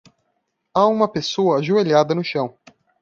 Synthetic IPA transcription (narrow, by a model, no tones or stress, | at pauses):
aũmɐpesoɐːʒueʎad̪ɐnʊʃɐ̃w̃